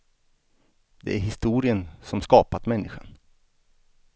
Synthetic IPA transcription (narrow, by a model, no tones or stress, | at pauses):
d̪ɛ̰ʔæɾɦɪst̪uːɾɪənsɔmskɑːpat̪mɛnːɪɧa̰n